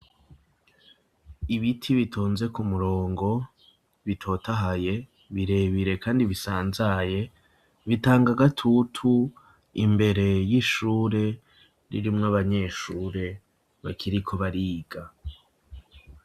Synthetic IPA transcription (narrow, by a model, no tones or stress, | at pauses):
iβitʰiβitʰoːnze̞kumuɾo̞ːŋɡo̞ | βitʰo̞ːtaɦaje̞ | βiɾe̞βiɾe̞kaːndiβisaːnzaje̞ | βitaːŋɡaɡatʰutʰu | imbe̞ɾe̞jiʃuːɾe̞ | ɾḭɾimŋaβaɲe̞ːʃuːɾe̞ | βa̰kʰiɾikʰo̞βaɾiːɡ̥a